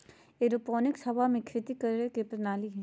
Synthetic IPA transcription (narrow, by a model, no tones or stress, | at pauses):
eːɾopoːnɪksɐbʱamẽkʰɾɪt̪ikɐɾɾekepɾɐnaːliɦɛ̃ː